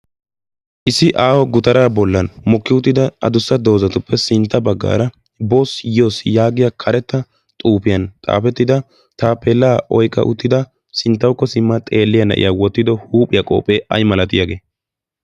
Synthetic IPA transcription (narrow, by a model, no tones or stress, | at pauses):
ʔɪsːɪʔaːwɔɡʊt̪ɐɾaːbɔlːɐnmɔkːɪʊt̪ːɪd̪ɐɐ̰d̪ʊsːɐd̪o̞ːzɐt̪ʊpːɛsɪnt̪ːɐbɐɡːa̰ːɾɐ | bosjɪjo̞ːsjaːɡɪjakʰɐɾɛt̪ːɐ | t̪ʼuːpɪjɐnt̪ʼa̰ːpɛt̪ːɪd̪ɐ | t̪aːpʰeːlːaːʔɔjkʼːɐ̰ʔʊ̰t̪ːɪd̪ɐ | sɪnt̪ːɐwkːɔsɪmːɐt̪ʼe̞ːlːɪjɐnɐ̰ʔɪ̰jaːwɔt̪ːɪd̪ɔhuːpʼɪjɐkʼo̞̰ːpʼe̞ːʔɐ̰jmɐlɐt̪ɪjaɡe̞ː